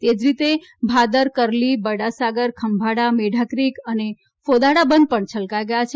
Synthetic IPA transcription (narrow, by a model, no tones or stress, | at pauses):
t̪ed͡ʒɾit̪e | bʱad̪əɾkəɾlibəɽasaɡəɾkʰəmbʱaɽameɖʱakɾikəne | fod̪aɽabənd̪̚pəɳt͡ʃʰəlkajɡəjat͡ʃʰ